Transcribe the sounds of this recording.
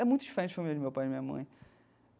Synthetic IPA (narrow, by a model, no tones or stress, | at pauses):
ɛmũj̃t̪ʊd͡ʒifeɾẽt̪t͡ʃfojmild͡ʒmewpajimĩɲɐmɐ̰̃j̃